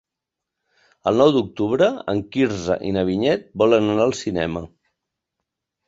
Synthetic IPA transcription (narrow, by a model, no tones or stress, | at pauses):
əlˠnɔwd̪uk̚t̪uβɾəə̰ŋkiɾzə̰ʔḭnəβ̞iɲɛt̪̚bɔlənənaːlˠsinɛ̰mə